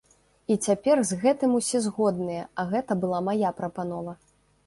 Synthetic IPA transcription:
it͡sʲapʲɛrzʲɣɛt̪ɨmusʲɛzɣɔd̪nɨjɛɐɣɛt̪ɐbɨlˠamajapɾɐpanɔvɐ

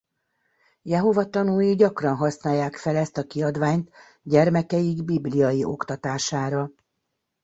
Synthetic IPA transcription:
jɛɦo̞vɒt̪ɒnujiɟɒkrɒnɦɒsnaːjːaːkfɛlɛst̪ɒkiɒd̪vaːɲt̪ | ɟɛrmɛkɛjiɡbiblijɒjiʔo̞kt̪ɒt̪aːʃaːɾɒ

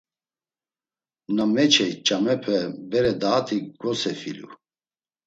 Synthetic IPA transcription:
namɛt͡ʃʰɛt͡ʃʼamɛpʰɛbɛɾɛd̪aːt̪ʰiɡ̥ɔsɛfḭlṵ

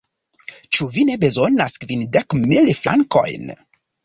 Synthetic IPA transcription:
t͡ʃuvine̞be̞zo̞naskvindekmilfla̰ŋko̞̰jn

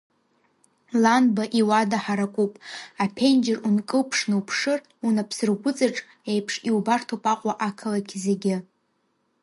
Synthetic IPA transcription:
lanbaʔiwadaħaɾakʷʼupʼapʰend͡ʒɪrunkʼɨpʰʂnɨwpʰʂɨr | unapʰsɨrɡʷʊt͡sʼaʈ͡ʂʼ | ejpʰʂiubartʰopʼaqʷʼaʔakʰalakʲʰzeɡʲɪ

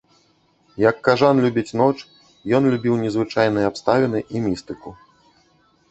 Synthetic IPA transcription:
jɐkːaʐanlʲubʲit͡sʲnɔt͡ʂ | jɔnlʲubʲiwnʲɛzvɨt͡ʂajnɨjɛapst̪avʲɛnɨʔimʲist̪ɨku

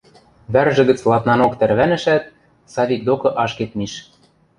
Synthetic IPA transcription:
βærʒɘ̆ɡə̆t͡slˠɑt̪nɑnokt̪æɾβænɘ̆ʃæt̪̚ | sɑβik̚d̪okɤ̆ʔɑʃket̪̚miʃ

